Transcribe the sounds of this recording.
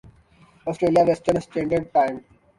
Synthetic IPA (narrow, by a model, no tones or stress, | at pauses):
ɔːsʈɾeːlijaʋesʈəɾnsʈɛ̃ːɳɖəɖ̚ʈãɪ̃m